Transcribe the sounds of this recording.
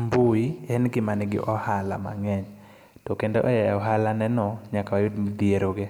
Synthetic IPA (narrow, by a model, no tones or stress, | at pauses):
mbuiɛnɡɪmanɪɡɪ̰ʔɔhala̰ma̰ŋɛɲ | tɔkendo̰ʔɔjɛɔɦalanɛnɔɲakawajʊdmd̪ieɾoɡe